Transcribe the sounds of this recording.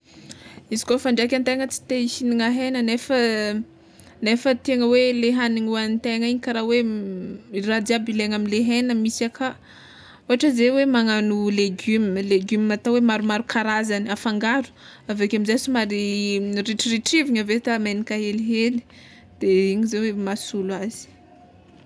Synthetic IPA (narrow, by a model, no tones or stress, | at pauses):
izi̥kofaɳɖ͡ʐakʲant̪eŋət͡si̥t̪eisiniŋaɦejnənefə | nefət̪eŋəweleɦaniŋuanit̪eŋaiɲikaɾawe | rad̪iabileŋamileɦejnəmisakʰa | uaʈ͡ʂəzewemaŋanuleɡymleɡymmat̪awemaɾumaɾukaɾazaniafaŋɡaɾu̥ | avekamizasumaɾiriʈ͡ʂiriʈ͡ʂiviɲavet̪amenikaɦeliɦeli̥ | d̪̥eiɲizewemasulaz̥i̥